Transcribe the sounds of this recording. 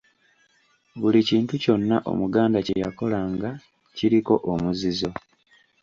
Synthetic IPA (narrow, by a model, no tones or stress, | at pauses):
βuliciːntuco̞nːaʔo̞̰muɡaːndace̞jako̞laŋɡa | ciɾiko̞ʔomuzizo̞